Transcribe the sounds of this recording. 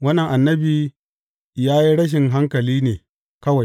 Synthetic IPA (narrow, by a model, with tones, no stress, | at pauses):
wɐ˦nːɐ˨ŋʔa˨nːɐ˦biː˨ | jaː˦ji˦ɽɐ˦ʃ̬ɪ˨ŋɦa˦ŋkɐ˨liː˦neː˨ | kɐ˦wa˨j